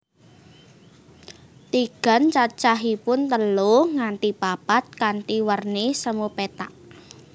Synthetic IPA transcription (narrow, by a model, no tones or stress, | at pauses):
t̪iɡ̥a̤nt͡ʃat͡ʃaɦipʊnt̪əloŋant̪ipapat̪̚kanʈ̪iwərnesəmupet̪aʔ